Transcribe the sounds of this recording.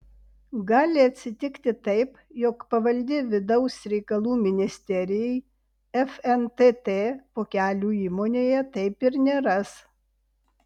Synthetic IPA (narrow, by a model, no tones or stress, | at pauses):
ɡɑːlʲɪɐt̪ʲsʲɪt̪ʲɪkt̪ʲɪt̪ɐɪp | jɔkpɐʋɐlʲd̪ʲɪʋʲɪd̪ɐʊsɾʲɛɪkɐlˠuːmʲɪnʲɪsʲt̪ʲɛɾʲɪjɛɪ | ɛfɛnt̪et̪eːpoːkʲæːlʲuːiːmoːnʲeːjɛt̪ɐɪpɪɾnʲeːɾɐs